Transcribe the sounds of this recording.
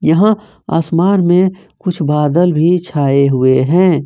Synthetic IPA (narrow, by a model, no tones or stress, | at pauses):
jɐɦã | a̰ːsmaːnmẽ | kʊt͡ʃʰbaːd̪əlbʱit͡ʃʰaːeɦʊeɦɛ̃ː